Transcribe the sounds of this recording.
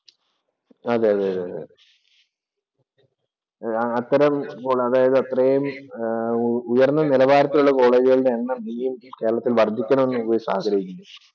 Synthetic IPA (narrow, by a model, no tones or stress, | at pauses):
ɐðeɐðeɐðeɐðḛe | ɐt̪ːɐɾɐmkoːɭɐðaːjɐðɨɐt̪ːrɐejum | ujɐrnːɐnilɐbaːɾɐt̪ːiluɭːɐko̞ːɭe̞ːd͡ʑiɣɐɭɽeːnːɐniːjumke̞ːɾɐɭɐt̪ːilʋɐrd̪ʱikʲːɐɳɐmenːumkoːjisa̰ːɦɐkɐɾijikʲːunːu